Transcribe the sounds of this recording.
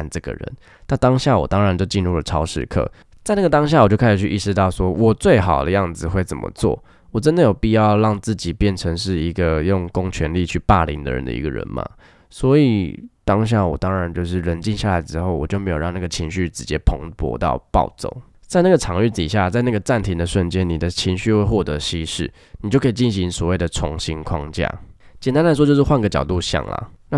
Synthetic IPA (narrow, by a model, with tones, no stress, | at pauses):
nʈ͡ʂɤ˥˩ɡə̰˨˩ɻə̰˧˦n | na˥˩t̪ɑ˥ŋɕja˥˩wɔ̰˨˩t̪ɑ˥ŋɻa˧˦nt͡ɕjo˥˧ʊt͡ɕi˥˧nɻu˥˩lə˨˩ʈ͡ʂʰɑ˥ʊʂɻ̩̰˥˧kʰɤ̰˥˩ | t͡sa˥˧ɪna˥˩ɡə˩t̪ɑ˥ŋɕ̬ja˥˩wɔ˨˩t͡ɕo˥ʊkʰa˥ɪʂɻ̩˨˩t͡ɕʰy˥˩ʔi˥˩ʂɻ̩˧t̪ɑ˥˩ʊswɔ˦˥wʔɔ˨˩t͡swe˥˩ɪxɑ˨˩ʊd̪ə̰˦jɑ˥˩ŋd͡zɹ̩˨˩xwe˥˩ɪt͡sə̰˨˩mə̰˦t͡swɔ̰˥˩ | wɔ˨˩ʈ͡ʂə˦nd̪ə˨jo˨˩ʊpi˥˧jɑ˥˧ʊlɑ˥˧ŋt͡sɹ̩˥˩t͡ɕi˨˩pjɛ˥˩nʈ͡ʂʰə˧˥ŋʂɻ̩˥˩i˧˥ɡə˧jʊ˥˩ŋkʊ˥ŋt͡ɕʰɥɛ˧˥nli˥˧t͡ɕʰy˥˩pa˥˩lḭ˧˥nd̪ə̰˧ɻə̰˧˦nd̪ə̰˧ḭ˧˥ɡə̰˧ɻə̰˧˥nma̰˨˩ | swɔ˧˥i˨˩t̪ɑ˥ŋɕ̬ja˥˩wɔ̰˨˩t̪ɑ˥ŋɻa˧˦nt͡ɕjo˥˧ʊʂɻ̩˥˩ɻə˧˥nt͡ɕi˥˧nɕja˥˩la˨˧˥ɪəʈ͡ʂɻ̩˧xo˥˩ʊwɔ˨˩t͡ɕjo˥˩ʊme˧˥jo˨˩ɑ˥˧na˥˩ɡə˩t͡ɕʰi˧˥ŋɕy˥˩ʈ͡ʂɻ̩˧˩t͡ɕjɛ˥pʰo̰˧˦ŋpwɔ̰˧˥t̪ɑ̰˥˩ʊpɑ̰˥˩ʊt͡so̰˨˩ʊ | t͡sa˥˧ɪna˥˩ɡə˩ʈ͡ʂʰɑ˨˦ŋy˥˩t̪ḭ˨˩ɕja˥˧t͡sa˥˧ɪna˥˩ɡə˩ʈ͡ʂa˥˩nt̪ʰi˧˥ŋd̪ə˨ʂə˥˩nt͡ɕjɛ˦nni˨˩d̪ə˦t͡ɕʰi˧˥ŋɕy˥˧xwe˥˧ɪxwɔ˥˩t̪ɤ˧˥ɕi˥ʂɻ̩˥˩ | ni˨˩t͡ɕjo˥˩ʊkʰə˥i˨˩t͡ɕi˥˩nɕi˧˥ŋswɔ˨˩we˥˩ɪd̪ə˩t͡sʰʊ˧˥ŋɕi˥ŋkʰwɑ˦ŋt͡ɕja̰˥˩t͡ɕjɛ˨˩nt̪a˥nla˧ɪʂwɔ˥t͡ɕjo˥˧ʊʂɻ̩˥˩xwa˥˩nɡə˩t͡ɕjɑ˨˩t̪u˥˧ɕjɑ̰˨˩ŋla̰˩na˥˨